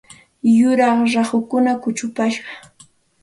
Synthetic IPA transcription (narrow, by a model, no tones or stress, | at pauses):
jʊɾɑχɾɑχʊkʊnakʊt͡ʃʊpaʃɢɑ